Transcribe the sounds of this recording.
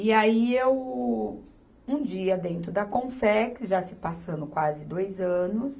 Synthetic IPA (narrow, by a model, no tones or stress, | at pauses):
iaiew | ũd͡ʒiɐd̪ẽnt̪ɾʊd̪ɐkõfɛksʒasɪpasɐ̃nd̪ʊkwazɪd̪ojzɐ̃nʊs